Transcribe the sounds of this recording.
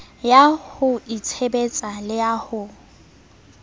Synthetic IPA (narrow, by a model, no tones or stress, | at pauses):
jahʊit͡sʰebet͡sʼalɪjahʊ